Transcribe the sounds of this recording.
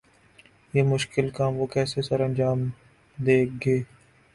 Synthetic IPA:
jeːmʊʃkɪlkaːmʋoːkɛːsesəɾɐ̃nd͡ʒaːm | d̪eːk̚ʰɡeː

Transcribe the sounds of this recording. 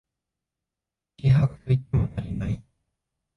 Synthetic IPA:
kʲiɦaɡat̪ɯit̪emonaɾʲinai

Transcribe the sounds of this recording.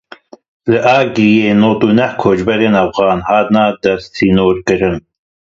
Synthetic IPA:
lɨʔɑːɡijeːnoːt̪uːnɛhkʰoːd͡ʒbɛɾeːnɐfɣɑːnhɑːt̪nɑːd̪ɛst̪iːnoːɾkɨɾɨn

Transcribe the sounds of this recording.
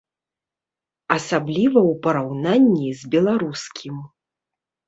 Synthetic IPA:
ɐsablʲivɐwpɐɾawnanʲːizʲbʲɛlˠaɾuskʲʰim

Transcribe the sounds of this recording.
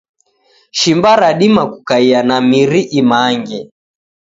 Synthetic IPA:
ʃimbaɾaɗimakukaianamiɾiʔimaːŋɡɛ

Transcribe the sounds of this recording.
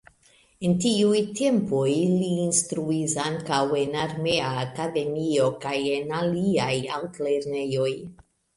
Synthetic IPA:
entiujte̞mpojliːnstɾuisaŋkawe̞naɾme̞aːkade̞mio̞kajenaliajaltle̞ɾne̞jo̞j

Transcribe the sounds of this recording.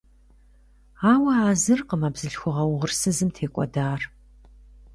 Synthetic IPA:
aːwɐaːzɨrqəmaːbzɨɬxʷʊʁɐwʁʊrsɨzɨmtʰeːkʷʼɔ̰daːr

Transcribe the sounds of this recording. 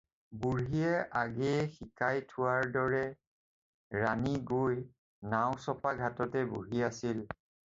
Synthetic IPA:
buɹijɛʔaɡɛxikajtʰʊwaɹdɔɹɛ | ɹaniɡoj | naw̃sɔpaɡʱatɔtɛbuɦiasil

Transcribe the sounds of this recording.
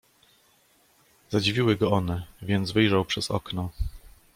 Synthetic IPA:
zad͡ʑivʲiwɘɡɔɔnɛvʲjɛnd̪zvɘjʐawpʂɛzɔ̰knɔ

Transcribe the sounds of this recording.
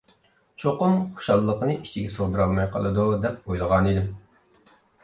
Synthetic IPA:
t͡ʃʰoqʊmχo̥ʃɑlˠːəqənɨʔit͡ʃʰiɡʲɛsoʁˠd̪ɨɾɑlˠmɑjqʰə̰lˠɨd̪ud̪ɛp̚ojlˠəʁɑnid̪ɪm

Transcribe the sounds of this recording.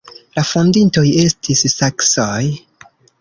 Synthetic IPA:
lafondinto̞je̞stʰisːaksoj

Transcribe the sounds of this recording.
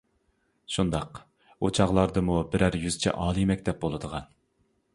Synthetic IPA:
ʃund̪ɑq | ot͡ʃʰɑʁlˠɑɾd̪ɨmubɪɾæɾjyzt͡ʃʰɛ̰ʔɑːlˠɨmɛkʲt̪ʰɛp̚bolˠɨd̪əʁɑn

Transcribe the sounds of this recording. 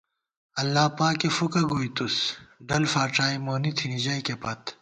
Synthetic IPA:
ɐlːaːpaːkefukɐɡoit̪usɖɐlfaːʈ͡ʂaːimoːnit̪ʰinid͡ʑɐikepɐt̪

